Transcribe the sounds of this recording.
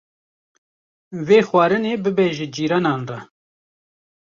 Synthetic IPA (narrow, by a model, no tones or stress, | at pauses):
veːxwɑːɾɨneːbɨbɛʒɪd͡ʒiːɾɑːnɑːnrɑ